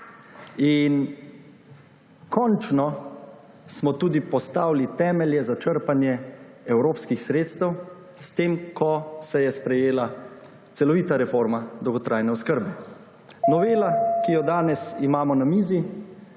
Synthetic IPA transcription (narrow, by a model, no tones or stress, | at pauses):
in | kʰɔnt͡ʃnɔ | smɔt̪uːd̪ipɔst̪aːwlit̪ɛːmɛljɛzat͡ʃəɾpanjɛ | ɛwɾoːpskixsɾeːt̪st̪ɛw | st̪eːmkʰɔsɛjɛspɾɛjeːla | t̪sɛlɔʋiːt̪aɾɛfoɾmad̪ɔwɡɔt̪ɾʔaːjnɛɔskəɾbɛ | nɔʋeːlakijɔd̪aːnɛsimaːmɔnamiːzi